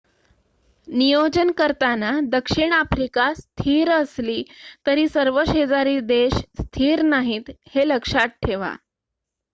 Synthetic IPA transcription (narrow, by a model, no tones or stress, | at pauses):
nijod͡ʑənkəɾt̪anad̪əkʂiɳafɾikast̪ʰiːɾəsliːt̪əɾiːsəɾʋəɕed͡zaɾiːd̪eɕst̪ʰiːɾnaɦiːt̪heləkʂat̪̚ʈʰeʋa̰